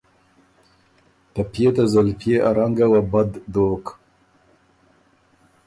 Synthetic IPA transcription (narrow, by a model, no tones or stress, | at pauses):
t̪apjet̪azalpjeʔaɾaŋɡawabad̪ːoːk